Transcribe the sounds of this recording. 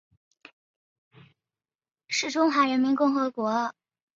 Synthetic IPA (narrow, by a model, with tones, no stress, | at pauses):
ʂɻ̩˥˩ʈ͡ʂʊ˥ŋxwa˧˥ɻə˧˥nmi˧˥nkʊ˥˩ŋxɤ˧˥kwɔ˧˥˧